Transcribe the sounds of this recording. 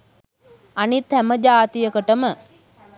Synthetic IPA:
anit̪hæməd͡ʒaːt̪ijəkəʈəmə

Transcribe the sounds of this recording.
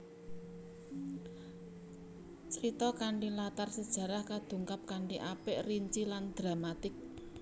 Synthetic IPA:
t͡ʃəɾit̪ɔkaɳɖilat̪arsəd̥ʒ̥ä̤ɾahkad̪̥ṳŋkap̚kaɳɖiʔapɪʔriɲt͡ʃiland̪̥ɾa̤mat̪ɪk̚

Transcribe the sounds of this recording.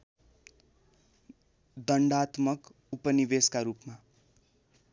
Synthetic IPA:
d̪ʌɳɖat̪mʌk | upʌnibeskaɾupma

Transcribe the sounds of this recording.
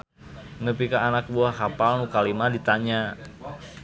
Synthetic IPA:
nəpikaːnak̚buakapalnukalimadit̪aɲa

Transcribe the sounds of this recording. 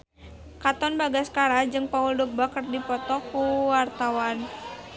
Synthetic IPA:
kat̪ɔnbaɡaskaɾad͡ʒɨŋpauldɔk̚bakərdipɔt̪ɔkuwart̪awan

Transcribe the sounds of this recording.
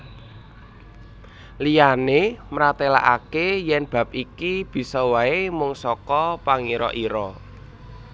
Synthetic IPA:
lijanemɾat̪ela̰ʔa̰kejɛnb̥a̤p̚ikib̥i̤sɔwaemʊŋsɔkɔpaŋiɾɔ̰ʔiɾɔ

